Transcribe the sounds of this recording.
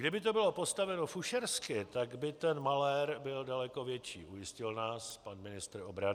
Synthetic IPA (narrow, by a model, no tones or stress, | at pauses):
ɡdɪbɪt̪o̞bɪlo̞po̞st̪avɛnofuʃɛɾskɪt̪aɡbɪt̪ɛnmalɛɾbɪldalɛko̞vjɛt͡ʃḭːʔujɪscɪlnaːspanmɪnɪst̪ɾobɾanɪ